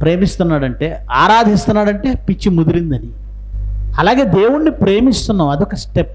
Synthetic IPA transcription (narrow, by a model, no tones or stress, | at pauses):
pɾe̞ːmist̪unːaːɽɐɳʈe̞ːaːɾaːd̪ʱist̪unːaːɽɐɳʈe̞ːpit͡ʃːimud̪uɾind̪ɐni | ɐlaːɡe̞ːd̪e̞ːwuɽnipɾe̞ːmist̪unːaːmɐd̪ɔkɐsʈep̚